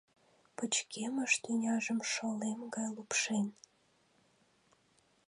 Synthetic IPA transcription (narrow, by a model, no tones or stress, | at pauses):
pət͡ɕkʰeməʃt̪ynʲɑʒəmʃolemɡɑjlupʃen